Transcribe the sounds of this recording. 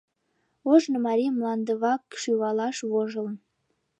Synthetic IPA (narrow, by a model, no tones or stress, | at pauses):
oʒnɤ̆mɑɾʲimlˠɑnd̪əβɑkʃyβɑlˠɑʃβoʒɤ̆ln